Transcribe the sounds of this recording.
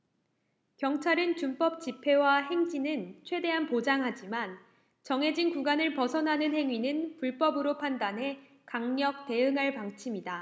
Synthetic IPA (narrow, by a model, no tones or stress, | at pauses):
kjʌŋt͡ɕʰaɾɯnt͡ɕump͈ʌp̚t͡ɕipʰe̞waɦe̞ŋd͡ʑinɯnt͡ɕʰwe̞de̞ɦanpod͡ʑaŋɦad͡ʑiman | t͡ɕʌŋɦe̞d͡ʑinkuɡanɯɭpʌsʰʌnɦanɯnɦe̞ŋɥinɯnpuɭp͈ʌbɯɾopʰandanɦe̞ | kaŋɲʌk̚te̞ɯŋɦaɭpaŋt͡ɕʰimida